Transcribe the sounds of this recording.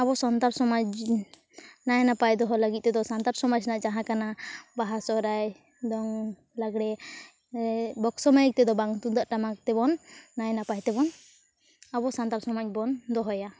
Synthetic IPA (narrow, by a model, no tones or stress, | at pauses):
abɔsɔnt̪aɾsɔmat͡ʃ | najnapajd̪ɔɦɔlaɡit̪̚ˀt̪ɛd̪ɔsant̪aɾsɔmad͡ʒnaʔd͡ʒaɦãkanabaɦasɔɾaj | d̪ɔŋ | laɡɽɛ | bɔksɔmajk̚t̪ɛd̪ɔbaŋt̪und̪aʔʈamak̚t̪ɛbɔnːajnapajt̪ɛbɔn | abɔsant̪aɾsɔmac̚bɔnd̪ɔɦɔja